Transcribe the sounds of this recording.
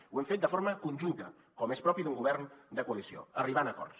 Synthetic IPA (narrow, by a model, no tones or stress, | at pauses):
uɛmfet̪d̪əfoɾməkunʲʒunt̪ə̰ | kɔmespɾɔpiðuŋɡuβɛrnd̪əkuəlisio̰əriβanəkɔ̰rs